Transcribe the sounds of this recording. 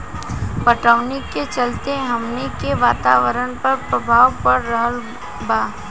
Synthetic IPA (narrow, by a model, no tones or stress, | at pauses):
pəʈəʋnikːet͡ʃɐlt̪eɦɐmnikeʋaːt̪a̰ːʋəɾənpɐɾpɾəbʱaːwpəɾːəɦəl | baː